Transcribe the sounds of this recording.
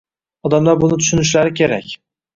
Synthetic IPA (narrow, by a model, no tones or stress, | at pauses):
ɒd̪amlaɾbʊnɪt̪ʰʊ̥ʃɪnɪʃ̬laɾɪkʲʰe̞ɾakʲ